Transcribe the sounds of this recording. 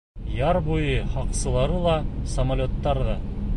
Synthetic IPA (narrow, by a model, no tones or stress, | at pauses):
jɑɾbujɤhɑqsɤ̆lˠɑɾɤlˠɑsɐmalʲot̪ːɑɾðɑ